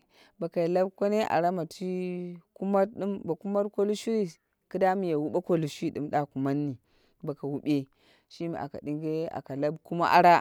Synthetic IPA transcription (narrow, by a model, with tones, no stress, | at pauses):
ba˨ka˨jla˦bka˦ne˦ʔa̰˨ɾa˦ma˨ti˦ku˦ma˦ɗi˦mba˨ku˦ma˦tko˦lu˦ʃu˦ɾi˦ | ki˦da˦mi˨ja˨wu˦ɓa˦ko˦lu˨ʃi˦ɗi˨mɗa˨ku˨ma˦nːi˨ | ba˨ka˨wu˦ɓe˦ | ʃi˦mḭ˨a̰˨ka̰˨di˦ŋɡe˦a̰˨ka˨la˦bku˦ma̰˦ʔa̰˦ɾa˦